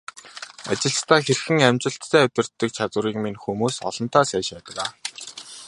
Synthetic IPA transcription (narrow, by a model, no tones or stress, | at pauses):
a̰t͡ɕɪ̆ɮst̪ʰæːxerxɘ̆ŋæmʲt͡ɕɪ̆ɬt̪ʰːæːɵt̪ʲɪ̆r̥t̪ːɘ̆k̚t͡ɕʰat͡swə̆ɾiːkminxumuːsɔ̰ɮɞ̆n̥t̪aːsæːʃpæːt̪ə̆kaː